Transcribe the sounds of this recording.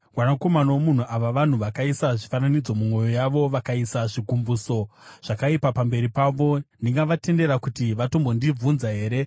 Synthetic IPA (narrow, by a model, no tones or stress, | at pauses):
ɡwanako̞manowomun̤uʔaʋaʋan̤uʋakaisaʐifananid͡zo̞mumo̞jo̞jaʋo̞ʋakaisaʐiɡʱumbuːso̞ʐ̥akaipapambe̞ɾipaʋo̞ndiŋɡaʋate̞nde̞ɾakutiʋato̞mbondib͡vunzaɦe̞ːɾe̞